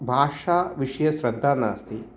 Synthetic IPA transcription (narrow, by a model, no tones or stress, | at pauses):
bʱaːʂaːʋiʂɐjɐʃɾɐd̪ʱːaːna̰ːst̪i